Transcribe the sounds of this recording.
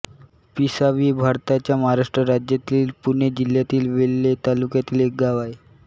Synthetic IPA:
pisaʋiːbʱaɾt̪at͡ɕjaməɦaɾaʂʈɾəɾad͡ʑjat̪iːlpuɳed͡ʑil̤jat̪iːlʋelːet̪alukjat̪iːlek̚ɡaʋae

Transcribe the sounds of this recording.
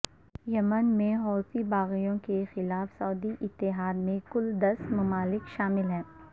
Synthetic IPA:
jɐmənmẽɦɔːfibaːɣijõkexɪlaːfsɔːd̪iʔɪt̪ːɪɦaːd̪mẽkʊld̪ɐsmɐmaːlɪkʃaːmɪlɦɛ̃ː

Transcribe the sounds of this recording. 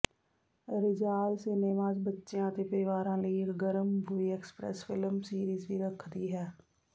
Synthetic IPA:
ɾɪd͡ʒaːlseneːʋãːd͡ʒbətːʃjãt̪epəɾɪʋaːɾãːleːkɡəɾəmbʱʊieːkspɾɛ̰sfɪləmsiːɾiːzbʱiɾəkʰd̪iɦɛː

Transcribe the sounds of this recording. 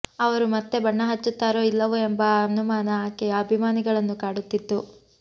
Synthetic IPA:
ɐʋɐɾumɐt̪ːe̞bɐɳːɐɦɐt͡ʃːut̪ːaːɾo̞ːilːɐʋue̞mbɐɐnumaːnɐaːkɛjɐːbʱimaːniɡɐɭɐnːukaːɽut̪ːit̪ːu

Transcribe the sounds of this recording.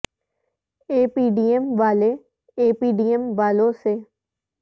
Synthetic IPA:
eːpiːɖiːemʋaːleː | eːpiːɖiːɛmʋaːloːseː

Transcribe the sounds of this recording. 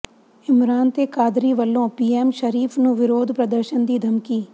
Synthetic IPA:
ɪmɾaːnt̪eːkaːd̪ɾiːʋəlːõːpiːɛːmʃəɾiːfʰnũʋɪɾoːd̪ʱpɾɐd̪əɾʃənd̪iːd̪ʱɐmkiː

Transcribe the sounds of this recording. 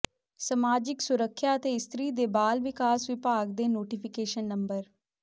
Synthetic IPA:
səmaːd͡ʒɪksʊɾəkʰːjaːət̪eːɪst̪ɾiːd̪eːbaːlʋɪkaːsʋɪpaːɡd̪eːnoːʈipʰɪkeːʃənːəmbəɾ

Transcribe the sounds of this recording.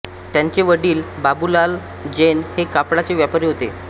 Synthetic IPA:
t̪jaɲt͡ɕeʋəɽiːlbabulal | d͡ʑenhekapɽat͡seʋjapaɾiɦot̪e

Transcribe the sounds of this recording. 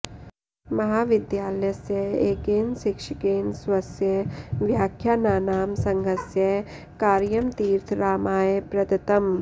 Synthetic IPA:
mɐɦaːʋɪd̪jaːljɐsjɐeːɡeːnʃikʂɐkeːnsʋɐsjɐʋjaːkʰjaːnaːnaːmsɐ̃ŋɡʱɐsjɐ | kaːɾjɐmt̪iːɾt̪ʰɾaːmaːjepɾɐd̪ɐt̪ɐm

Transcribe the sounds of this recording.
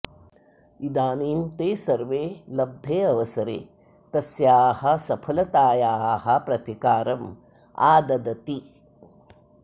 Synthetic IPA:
id̪aːniːmt̪eːsɐɾʋeːlɐb̚d̪ʱeːɐʋɐsɐɾḛː | t̪ɐsjaːhɐ̆sɐpʰɐlɐt̪aːjaːɦɐ̆pɾɐt̪ikaːɾɐm | a̰ːd̪ɐd̪ɐt̪i

